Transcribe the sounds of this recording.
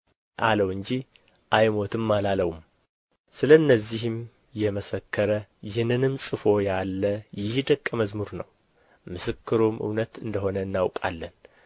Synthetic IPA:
ʔaləwɨɲd͡ʒi | ʔajmo̞t̪ʰɨmːalaləwum | sɨləɨnːəzːihɨm | jɛməsəkʰːəɾəjɪhnɨnɨmsʼɨfo̞jalːəjɪhd̪əkʼːəməzmuɾnə̰w | mɨsɨkːɨɾomʔɨ̰wnət̪ɨnd̪əho̞nəɨnːawkʼa̰lːən

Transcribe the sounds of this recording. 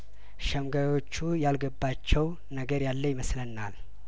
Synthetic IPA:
ʃəmɡajo̞t͡ʃːujalɡəbːat͡ʃːɛw | nəɡəɾjalːəjɪməslənːal

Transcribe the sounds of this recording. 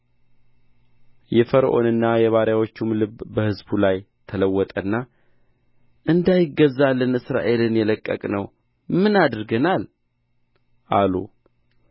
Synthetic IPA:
jɛfəɾəʔo̞̰nɨnːajɛβaɾjawot͡ʃːumlɨbbəhɨzbulaj | t̪ʰələwːɔt̪ʼənːa | ʔɨnd̪ajɪɡəzːalːənɨsɾa̰ʔe̞lɨnjɛləkʼːə̰kʼnəw | mɨnad̪ɾɡənal | ʔalṵ

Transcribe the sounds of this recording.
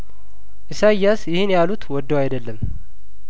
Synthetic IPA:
ʔɨsajːasjɪhɪnjalut̪wɔd̪ːəwajd̪əlːəm

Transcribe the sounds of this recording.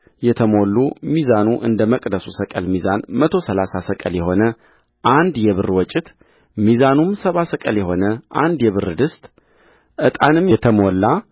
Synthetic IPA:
jɛt̪ʰəmo̞lːumizanuʔɨnd̪əməkʼd̪əsusəkʼəlmizanmət̪ʰo̞səlasasəkʼəljɛɦo̞nə | ʔand̪jɛβɨrwɔt͡ʃʼːɪt̪ | mizanumsəβasəkʼəljɛɦo̞nəʔa̰nd̪jɛβɨrɨd̪ɨst̪ʼ | ʔɨt̪ʼanɨmjɛt̪ʰəmolːa

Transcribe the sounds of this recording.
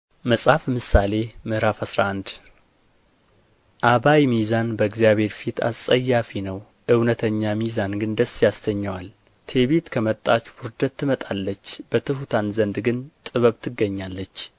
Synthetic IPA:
məsʼhafmɨsale̞mɨhɾafasɾa̰ʔand̪ | ʔaβajmizanbəɨɡzijaβhe̞ɾfit̪ʰa̰ssʼəjːafinəw | ʔɨwnət̪ʰəɲːamizanɡɨnd̪əsːjasdəɲːəwal | t̪ʰe̞βet̪kʰəmət̪ʼːat͡ʃwʊɾd̪ət̪ʰːɨmət̪ʼalːət͡ʃːb̥ət̪ʰɨhut̪ʰanzənd̪ɡɨnt̪ʼɨβəβt̪ʰɨɡːəɲːalːət͡ʃː

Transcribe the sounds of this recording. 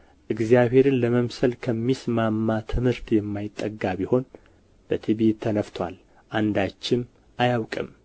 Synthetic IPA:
ʔɨɡzijaβhe̞ɾɨnləməmsəlkʰəmːismamːat̪ʰɨmhɨɾt̪jɛmːajɪt̪ʼːəɡːaβiho̞n | b̥ət̪ʰiβet̪ʰːənəft̪ʰwa̰l | ʔand̪at͡ʃːɪm | ʔajawkʼɨm

